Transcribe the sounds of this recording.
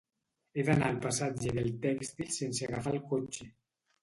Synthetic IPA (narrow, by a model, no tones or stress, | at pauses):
ed̪analpasad͡ʒeðelˠt̪ɛkst̪ilˠsenseaɣafalkot͡ʃe